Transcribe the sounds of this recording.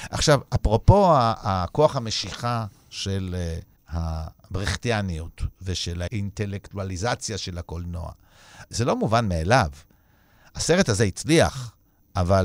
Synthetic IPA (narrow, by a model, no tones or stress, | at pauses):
ʔaχʃavapʁo̞po̞aako̞aχhame̞ʃiχa | ʃel | habʁiχt̪ianiutveʃelaʔint̪e̞lekt̪ualizat͡sjaʃe̞lakolno̞̰a̰ | zelo̞muvanmeelav | aseʁe̞tazeit͡sliaχ | ʔaval